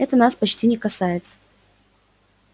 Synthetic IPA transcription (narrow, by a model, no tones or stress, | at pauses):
ɛt̪ənaspɐt͡ɕtʲinʲɪkɐsajɪt̪sə̥